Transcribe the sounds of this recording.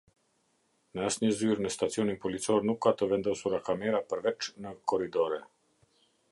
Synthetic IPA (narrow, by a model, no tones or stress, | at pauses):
nasnizyːɾnɛst̪at̪sionimpɔlit̪sɔɾnukat̪ɔvɛnd̪awsuɾakameːɾapəɾʋɛt͡ʃnakɔɾid̪oɾɛ